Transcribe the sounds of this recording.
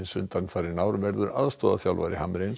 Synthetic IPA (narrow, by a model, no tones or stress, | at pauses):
ɪnsʏnt̪anfaɾɪnaːwɾʏvɛɾðʏɾa̰ðst̪ɔːða̰θjawlva̰jɾɪhamɾen